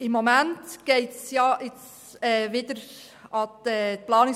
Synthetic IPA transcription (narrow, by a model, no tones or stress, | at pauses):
ɪmːomæntɡ̥eɪtsjɑʔɪt͡s | ɛːʋɪdəɾ | ɑɛplɑːnɪ